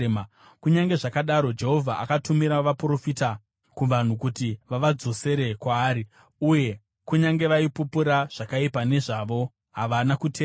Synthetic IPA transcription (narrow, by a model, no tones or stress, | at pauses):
kuɲaŋɡe̞ʐakaɗaɾo̞d͡ʒe̞ɦo̞vʱaʔa̰katumiɾaʋapro̞fita | kuʋan̤ukutiʋaʋad͡zo̞se̞ɾe̞kwaːɾi | uje̞ | kuɲaŋɡe̞ʋaipupuɾaʐ̥akaipane̞ʐaʋo̞ | ɦaʋanakuteː